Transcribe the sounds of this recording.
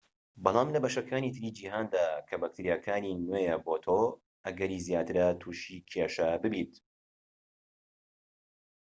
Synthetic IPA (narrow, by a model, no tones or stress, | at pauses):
bɑlˠɑːmlɐbɐʃɐkʰaːnit̪ʰɨɾiːd͡ʒiːɦaːnd̪aːkʰɐbak̚t̪ʰiɾijakʰaːninwejɛbot̪ʰo | ʔɐɡɐɾiːzjaːt̪ɨɾɐt̪ʰuːʃikʰeʃɐbɨbit̪